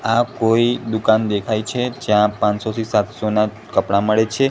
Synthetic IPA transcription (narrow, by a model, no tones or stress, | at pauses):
akoid̪ukand̪ekʰajt͡ʃʰed͡ʒjãpãnsot̪isat̪sona | kəpɽaməɭet͡ʃʰe